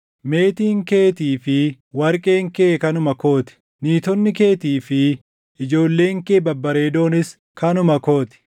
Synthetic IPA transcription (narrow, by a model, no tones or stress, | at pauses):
me̞ːt̪iːŋke̞ːt̪iːfɪ | wɐɾkʼe̞ːŋkeːkɐnʊmɐko̞ːt̪ɪ̥ | niːt̪ɔnːɪke̞ːt̪iːfɪ | ɪd͡ʒo̞ːlːe̞ːŋkeːbɐbːɐɾe̞ːd̪o̞ːnɪs | kɐnʊmɐko̞ːt̪ɪ̥